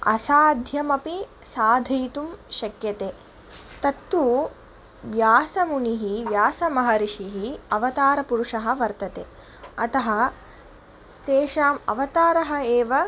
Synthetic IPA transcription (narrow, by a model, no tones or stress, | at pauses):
ɐ̰saːd̪ʱjɐmɐpisaːd̪ʱɐjt̪umʃɐkjɐt̪eː | t̪ɐt̪ːu | ʋjaːsɐmuɳiɦiʋjaːsɐmɐɦɐɾiʂiɦiɐʋɐt̪aːɾɐpuɾuʂɐɦɐ̆ʋɐɾt̪ɐt̪eː | ɐt̪ɐɦɐ̆ | t̪eːʂaːmɐ̰ʋɐt̪aːɾɐɦɐ̆eːʋɐ